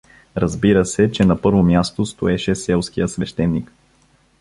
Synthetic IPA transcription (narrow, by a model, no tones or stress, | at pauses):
ɾɐzbiɾəsɛt͡ʃɛnɐpɤɾvomʲjast̪ost̪oɛʃɛsɛlˠsk̟ijəsvɛʃt̪ɛnːik